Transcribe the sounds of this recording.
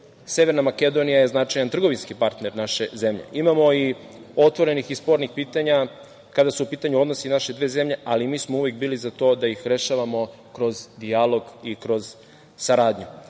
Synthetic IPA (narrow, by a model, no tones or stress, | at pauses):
se̞ʋe̞ɾnamake̞d̪o̞nijaje̞znat͡ʃajant̪r̩ɡo̞ʋinskipaɾt̪neɾnaʃe̞ze̞mʎḛʔimamoi | o̞t̪ʋo̞ɾe̞nixispo̞ɾnixpiːt̪aɲa | kad̪asuupiːt̪aɲuo̞d̪nosinaʃe̞d̪ʋeːzemʎe̞ʔalimiːsmouʋekbiːlizat̪o̞ːd̪ajixɾe̞ʃaʋamo̞ | kɾo̞zd̪ijalo̞ɡikɾo̞z̥ | saɾaːd̪ɲu